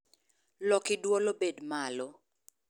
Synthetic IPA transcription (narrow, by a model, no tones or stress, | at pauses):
lɔkɪdwɔlobedmalo